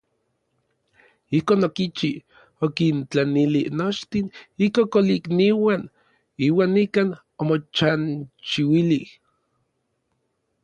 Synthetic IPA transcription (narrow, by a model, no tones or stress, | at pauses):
ihkoːnokit͡ʃi | okint͡ɬanilinot͡ʃt̪inihkokolikniwan | iːwaːnːikaːn | omot͡ʃant͡ʃiwilih